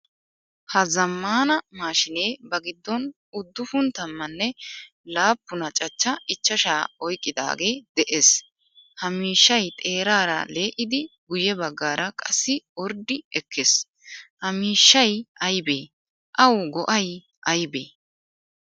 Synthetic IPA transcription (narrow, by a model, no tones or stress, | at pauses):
hɐzɐmːaːnɐmaːʃɪneːbɐɡɪd̪ːɔn | ʊd̪ːʊfʊnt̪ɐmːɐnːɛ | laːpːʊnɐt͡ʃʼɐt͡ʃːɐɪt͡ʃːɐʃaːɔjkʼːɪd̪a̰ːɡe̞ːd̪ɛʔes | hɐmiːʃːɐjt̪ʼe̞ːɾaːɾɐ̰leːʔɪd̪ɪɡʊjɛbɐɡːaːɾɐkʼɐsːɪɔɾd̪ɪɛkʰːes | hɐmiːʃːɐjʔɐjbeː | ʔɐwɡɔʔɐj | ʔɐjbḛː